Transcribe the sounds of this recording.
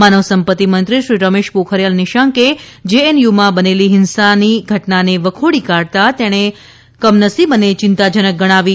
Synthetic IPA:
manəʋsəmpət̪ːimənt̪ɾiʃɾiɾəmeʃpokʰəɾjəlnɪʃaŋked͡ʒeenjumãbəneliɦɪnsaniɡʱəʈnaneʋəkʰoɽikaɽt̪at̪eɽ̃e | kəmnəsibənet͡ʃɪnt̪ad͡ʒənək̚ɡəɽ̃aʋi

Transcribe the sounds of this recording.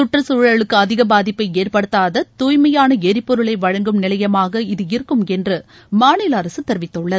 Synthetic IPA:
sʊʈrɐsuɻɐɭɯkːɯɐðɪɣɐbaːðɪpːɐɪeːrpɐɽɯt̪ːaːðɐt̪uːjmɐjaːnɐɛɾɪpːɔɾɯɭɐɪʋɐɻɐŋɡɯmnɪlɐjɐmaːɣɐɪðɯɪɾɯkːɯmɛndrɯ | maːnɪlɐɾɐsɯt̪ːɛɾɯʋɪt̪ːɯɭːɐð

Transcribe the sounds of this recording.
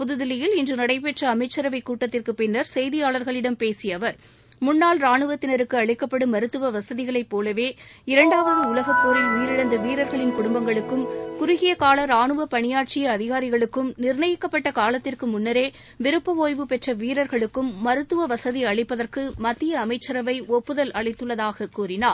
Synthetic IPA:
pʊðɯðɪlɪjɪlɪndrɯnɐɽɐɪpɛʈrɐːmɐɪt͡ʃːɐɾɐʋɐɪkːuːʈːɐt̪ːɪrkɯpɪnːɐɾsɛjðɪjaːɭɐɾɣɐɭɪɽɐmpeːsɪjɐʋɐɾ | mʊnːaːlɾaːɳɯʋɐt̪ːɪnɐɾɯkːɯɐɭɪkːɐpːɐɽɯmɐɾɯt̪ːɯʋɐʋɐsɐðɪɣɐɭɐɪpːoːlɐʋeːɪɾɐɳɖaːʋɐðɯʊlɐɣɐpːoːɾɐɪijɪɾɪɽɐnd̪ɐʋiːɾɐɾɣɐɭɪnkʊɽʊmbɐŋɡɐɭɯkːɯmkʊɾʊɣɪjɐkaːlɐɾaːɳɯʋɐpɐɳɪjaːʈ̚t͡ʃɪjɐːðɪɣaːɾɪɣɐɭɯkːɯmnɪɾɳɐjɪkːɐpːɐʈːɐkaːlɐt̪ːɪrkɯmʊnːɐɾeː | ʋɪɾɯpːɐʋoːjʋɯpɛʈrɐʋiːɾɐɾɣɐɭɯkːɯmːɐɾɯt̪ːɯʋɐʋɐsɐðiɐɭɪpːɐðɐrkɯmɐt̪ːɪjɐːmɐɪt͡ʃːɐɾɐʋɐɪɔpːɯðɐlʔɐɭɐɪt̪ːɯɭːɐðaːɣɐkuːɾɪnaːɾ

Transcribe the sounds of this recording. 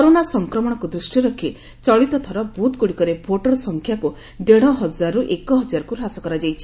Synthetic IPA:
kɔɾonasɔŋkɾɔmɔɽ̃ɔkud̪ɾisʈjiɾɔkʰi | t͡ʃɔɭit̪ɔt̪ʰɔɾɔbut̪ɡuɽikɔɾebʱoʈɔɾsɔŋkʰjaku | d̪eɽ̤ɔɦɔd͡ʒaɾuʔekɔɦɔd͡ʒaɾɔkuɾɦasɔkɔɾad͡ʒajt͡ʃʰi̥

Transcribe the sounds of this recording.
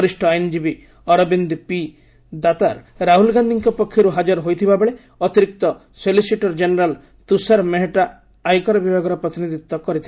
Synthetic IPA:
ɾisʈʰɔajnd͡ʒibi | ɔɾɔbind̪ipi | d̪at̪aɾ | ɾaɦulɡand̪ʱiŋkɔpɔkʰːjɔɾuɦad͡ʒaɾɔɦojt̪ʰibabeɭe | ɔt̪iɾik̚t̪ɔ | selisiʈɔɾd͡ʒeneɾal | t̪usaɾmeɦeʈaː | jkɔɾɔbibʱaɡɔɾɔpɾɔt̪inid̪it̪ːɔkɔɾit̪ʰibe

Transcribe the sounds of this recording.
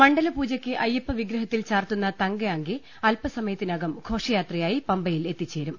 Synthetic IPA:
mɐɳɖɐlɐpuːd͡ʑɐkʲːɨʔɐjːɐpːɐʋiɡɾɐɦɐt̪ːilt͡ɕaːrt̪unːɐt̪ɐŋɡɐɐŋɡi | ɐlpɐsɐmɐjɐt̪ːinɐɡɐmkʰo̞ːʂɐjaːt̪rɐjaːjipɐmbɐjile̞t̪ːit͡ɕːe̞ːɾum

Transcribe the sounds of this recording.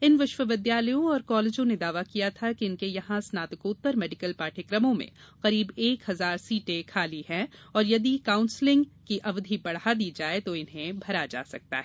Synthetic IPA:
ɪnʋɪʃʋəʋɪd̪jaːləjõɔːɾkɔːleːd͡ʒõned̪aːʋakijat̪ʰakiɪnkejɐɦãsnaːt̪ɪkoːt̪ːəɾmɛːɖɪkəlpaːʈʰɪkɾəmõmḛ̃qɐɾiːbeːkhɦɐzaːɾsiːʈekʰaːliɦɛ̃ɔːɾjɐd̪ikaːʊ̃nslɪ̃ŋɡkiʔɐʋd̪ʱibɐɽɦad̪iːd͡ʒaːet̪oɪnɦẽbʱɐɾad͡ʒa̰ːsɐk̚t̪a̰ɦɛ

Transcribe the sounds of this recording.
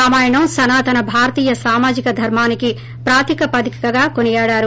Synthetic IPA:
aːmaːjɐɳɐmsɐnaːt̪ɐnɐbʱaːɾɐt̪iːjɐsaːmaːd͡ʒikɐd̪ʱɐɾmaːniki | pɾaːt̪ikɐpɐd̪ikɐ̥kɐɡaːkonijaːɽaːɾu

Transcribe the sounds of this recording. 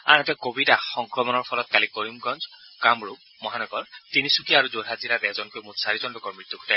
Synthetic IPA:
a̰ɦɔ̃t̪ekobidahɔŋkɾɔmɔnɔɾpʰɔlɔt̪̚kalikoɾimɡɔnd͡ʒkamɾu | mɔɦanɔɡɔɾt̪inisukiaɾud͡ʒoɾɦad͡ʒiɾad̪ɛd͡ʒɔnkumut̪saɾid͡ʒɔnɖɔkɔɾmɾit̪jukʰu̥ʈa

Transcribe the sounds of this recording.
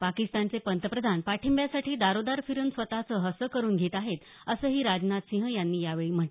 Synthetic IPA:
pakist̪ant͡sepənt̪əpɾəd̪ʱanpaʈʰimbjasaʈiːd̪aɾod̪aɾfiɾunsʋət̪at͡səːɦəsəkəɾuːnɡʱet̪aɦet̪ | əsəːɦiːɾad͡ʑnat̪sĩɦəjanːiːjaʋeɭiːm̤əʈe

